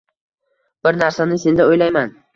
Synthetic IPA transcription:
b̥ɪɾnaɾsanɪse̞nd̪aojlajman

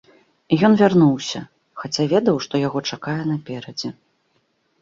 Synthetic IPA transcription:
ijɔnvʲarnuwsʲɐ | xat͡sʲavʲɛd̪ɐwʂt̪ɔjaɣɔt͡ʂakajɛn̪ɐpʲɛɾɐd͡zʲɛ

